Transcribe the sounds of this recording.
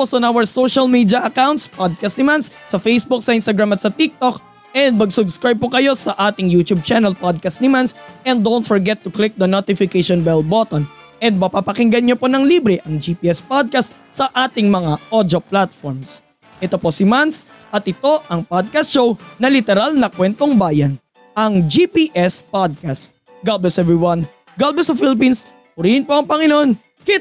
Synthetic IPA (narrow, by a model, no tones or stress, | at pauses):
posɐnawɐɹsowʃɐlmid̪jɐʔɐkawnt̪̚spad̪̚kɐst̪nɪmanssɐfejsbuk̚sɐʔɪnst̪ɐɡɹamɐt̪̚sɐt̪ik̚t̪ok̚ | ʔɛnd̪̚mɐɡsʊbskɹajb̚pokɐjo̞sɐʔaːt̪ɪŋjut̪ub̚t͡ʃanɛlpad̪̚kɐst̪nɪmansʔɛ̃nd̪ownt̪̚fɔɹɡɛt̪ːʊklɪk̚d̪ɐnot̪ɪfɪkejʃɔnbɛlbot̪on | ʔɛnd̪̚mɐpapɐkɪŋɡɐnɲoponɐŋliːbɾɛʔɐŋd͡ʒiːpiʔɛspad̪̚kɐst̪ | sɐʔaːt̪ɪŋmɐŋaʔod̪oplat̪foɹms | ʔɛt̪o̞po̞sɪmans | ʔɐt̪̚ʔɪt̪o̞ʔɐŋpad̪̚kɐst̪ʃownɐlɪt̪ɛɾalnɐkwɛnt̪oŋbaːjɐn | ʔɐŋd͡ʒipiʔɛspad̪̚kast̪ | ɡalbɛsɛvɹiwɐn | ɡalbɛsɐfɪlɪp̬ins | pʊɾihɪnpo̞ʔɐŋpɐŋɪno̞n | kɪ